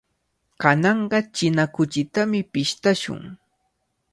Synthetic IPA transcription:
kanɑɴɢɑt͡ʃɪnakʊt͡ʃɪt̪amɪpɪʃt̪aʃʊ̰ŋ

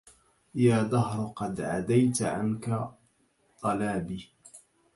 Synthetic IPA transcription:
jaːd̪ahɾqɑd̪ʕa̰d̪ajt̪ʕa̰nka | t̪ˤɑlaːbiː

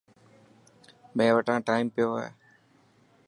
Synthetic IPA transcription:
mẽːʋəʈãːʈaːimpɪjoːaːɦḛː

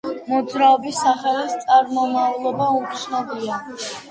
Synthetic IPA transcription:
mɔd̪zɾaɔbisːaχɛlist̪sʼaɾmɔmavlˠɔbaut̪snɔbia

